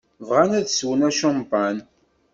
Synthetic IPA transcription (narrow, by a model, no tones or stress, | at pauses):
vʁanæðswənæʃɑmpan